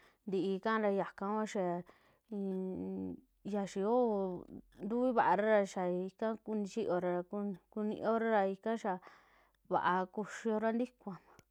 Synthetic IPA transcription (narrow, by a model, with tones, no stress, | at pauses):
nd̪i˧i˧kã˦˧ɾa˧ja˨kã˧kʷã˦ʃa˧˨ | i˧ | ja˧ʃi˧o˦˧nd̪u˦βi˦βa˨ʔa˧ɾa˦ɾa˧ʃa˨i˧kã˦ku˧nĩ˧t͡ʃi˦ʔo˧ɾa˧ɾa˧ku˧ku˧nḭ̃˧ʔo˦ɾa˦ɾa˧i˧kã˦ʃa˧ | βa̰˨ʔa˧ku˧ʃi˧o˧ɾa˦nd̪i˦kʷã˨ã˨